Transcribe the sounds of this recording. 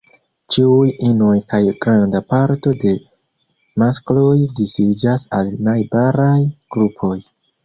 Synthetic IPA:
t͡ʃiujino̞jkajɡɾandapaɾto̞de̞ | masklo̞jdisid͡ʒasalnajbaɾajɡ̥ɾupʰo̞j

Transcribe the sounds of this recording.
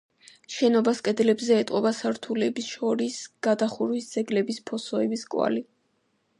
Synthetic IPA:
ʃɛnɔbaskʼɛd̪lɛbzɛːt̪ʼqʼɔbasaɾt̪ʰulɛbisʃɔɾisɡ̥ad̪aχuɾwisd̪z̥ɛɡlɛbispʰɔsɔɛbiskʼwa̰li

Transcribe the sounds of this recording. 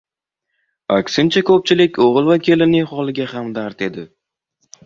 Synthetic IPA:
a̰kʲsɪnt͡ʃʰakʰɵp̚t͡ʃʰɪlɪkʲʰoʁɨlˠvakʲʰe̞lɪnɪχɒlˠɪɡʲahamd̪aɾt̪e̞d̪ɪ

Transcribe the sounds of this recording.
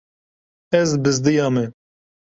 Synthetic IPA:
ɛzbɨzd̪ɨjɑːmɛ

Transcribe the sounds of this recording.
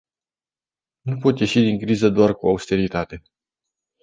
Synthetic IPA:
nupo̞t̪ʲje̞ʃid̪iŋkɾizəd̪oarkuaust̪e̞ɾit̪at̪e̞

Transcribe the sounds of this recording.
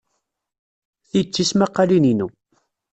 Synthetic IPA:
θit͡sːismaqːɑlininu

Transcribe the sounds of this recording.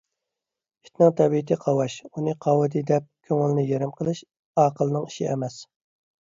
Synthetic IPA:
i̥t̪nɨŋt̪ʰɛbit̪ʰɪqʰɑwɑʃunɨqʰɑwɨd̪ɨd̪ɛp̚kʲʰøŋɪlnɪjeɾɪmqʰəlˠɨʃ | ɑːqəlˠɨnɨŋiʃiɛmɛs

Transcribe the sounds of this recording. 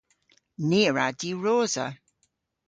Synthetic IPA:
niːəɹadiːɹoːzə̰

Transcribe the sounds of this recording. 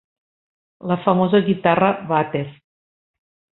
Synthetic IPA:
ləfəmozəɣit̪arəβat̪eɾ

